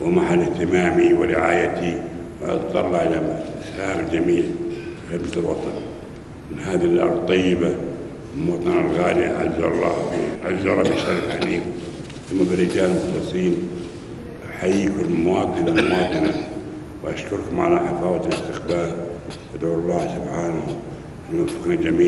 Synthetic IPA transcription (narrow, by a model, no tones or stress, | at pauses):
wɪmaħalːɪht̪ɪmaːmiwɪɾɪʕaːjat̪i | wʔɑ̰d̪ˤðˤɑ̰ɾˤlaʕlamshaːmd͡ʒamiːlħɪbsɪlwɑt̪ˤɑn | mɪnɦaːðalʔɑ̰ɾˤd̚ˤt̪ˤːɑjːɪba | ɪmwɑt̪ˤɑnalɣaːliʔa̰ʕa̰zɑlˤːɑ̰ːḭʕa̰lzalˤːɑbʃaɾɪfħaliːk | θamːabɪɾɪd͡ʒaːlmʊxɑsˤiːn | ħajiːkʊlmʊwɑːt̪ˤɨnammʊwɑːt̪ˤɨna | wʔaʃkʊɾkʊmʕa̰laħafaːwt̪lɪst̪ɪxbaːlʔad̪ʕuːɑlˤːɑːsʊbħaːnahʊm | ʔanːwanfɪ̥knad͡ʒamiː